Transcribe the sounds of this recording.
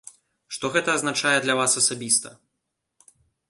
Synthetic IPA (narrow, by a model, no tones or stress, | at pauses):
ʂt̪ɔɣɛt̪ɐːznat͡ʂajɛd̪lʲɐvasɐsabʲist̪ɐ̰